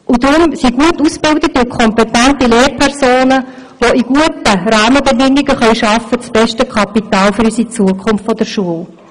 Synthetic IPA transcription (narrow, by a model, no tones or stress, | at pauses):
ʔʊd̥̪ɾʊmsiɡ̥uətusb̥ɪldətykʰɔmpɛtæntileːrpʰɛɾsoːnə | ʋoiɡ̥uətəɾɑːməbɛdɪŋːɪɡəχœʏʃɑfːət͡sb̥ɛʃtəkʰɑpitɑːlfyɾysit͡suəkʰʊmft̪fɔd̥əɾʃuəl